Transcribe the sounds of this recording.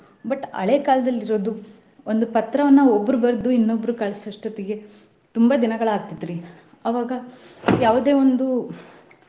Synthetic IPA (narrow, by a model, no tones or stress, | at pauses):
bɐʈɐ̰ɭeːkaːlɐd̪ɐlːiɾo̞ːd̪u | o̞nd̪upɐt̪ɾɐʋɐnːɐobːɾubɐɾɐd̪uinːobːɾukaɭɐsɾɐʂʈɐt̪ɛɡe̞ | t̪umbɐd̪inɐɡɐɭaːɡ̚t̪id̪ːɾi | ɐʋaːɡɐjaːʋud̪e̞ːʋo̞nd̪u